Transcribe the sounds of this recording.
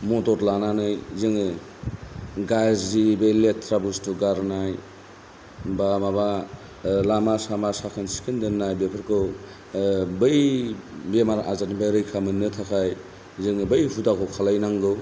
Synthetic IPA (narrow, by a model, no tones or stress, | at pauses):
mɔtɔɾlananɯjzɯŋɯ | ɡazibejletʰɾabustuɡaɾnaj | bamaba | lamasamasakʰɯnsi̥kʰɯndɯnːajbepʰɯɾkʰɯw | bɯjbemaɾaʔazanibaɾɯjkʰamɯnːɯtʰakʰaj | zɯŋɯbjɦudakʰɔwkʰalajnaŋɡɯw